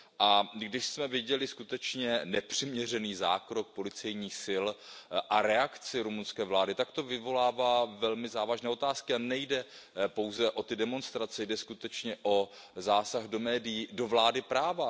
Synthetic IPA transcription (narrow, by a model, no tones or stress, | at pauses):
ʔaɡdɪʃsmɛvɪɟɛlɪskut̪ɛt͡ʃɲɛnɛpr̝̥ɪmɲɛr̝ɛniːza̰ːkɾo̞k̚po̞lɪt͡sɛjɲiːxsɪlʔaɾɛakt͡sɪɾumunskɛːvlaːdɪt̪akt̪o̞vɪvo̞laːvaːvɛlmɪzaːvaʒnɛːot̪aːskɪanɛjdɛpo̞wzɛʔo̞t̪ɪdɛmo̞nst̪ɾat͡sɛjdɛskut̪ɛt͡ʃɲɛʔo̞ | zaːsaɣdo̞mɛːdɪjido̞vlaːdɪpɾaːva